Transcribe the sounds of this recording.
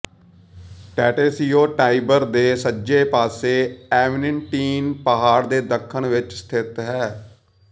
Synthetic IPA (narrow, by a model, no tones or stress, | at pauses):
ʈɛːʈeːsiːoːʈaːibəɾd̪eːsəd͡ʒeːpaːseːɛːʋɪnɪɳʈiːnpəɦaːɾd̪eːd̪əkʰːəɳʋɪt͡ʃst̪ʰɪt̪ɦɛː